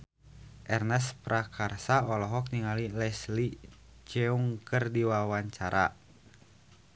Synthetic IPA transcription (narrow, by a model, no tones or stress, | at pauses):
ʔɛrnɛspɾakʰarsaɔlɔɦɔk̚niŋalilɛslit͡ʃɛuŋkɨrdiwawaɲt͡ʃaɾa̰